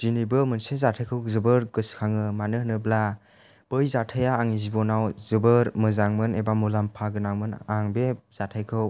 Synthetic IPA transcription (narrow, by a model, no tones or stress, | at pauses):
z̥inibɯmɯnsezatʰajkʰɯwzɯbɯɾɡɯskʰaŋɯmanɯɦnɯbla | b̥ɯjzatʰajaːŋizibɔnawzɯbɯɾmɯzaŋmɯnebamulampʰaɡɯnaŋmɯnaŋbez̥atʰajkʰɯw